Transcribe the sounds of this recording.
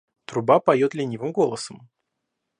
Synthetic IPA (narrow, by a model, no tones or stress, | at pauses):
t̪ɾʊbapɐjo̞t̪lʲɪnʲivɨmɡo̞lˠəsəm